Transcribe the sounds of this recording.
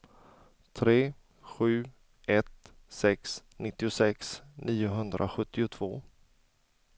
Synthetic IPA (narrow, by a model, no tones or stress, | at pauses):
t̪ʰɾeː | ɧʉ̟ː | ɛt̪ | sɛksnɪt̪ːɪʊsɛksniːʊɦɵnd̪ɾʔa̰ɧɵt̪ʰːɪʊt̪ʰv̥oː